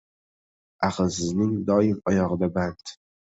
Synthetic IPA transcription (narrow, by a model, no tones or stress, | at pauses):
aqzɪznɪŋd̪ɒjɪmɒjɒʁɨd̪abant̪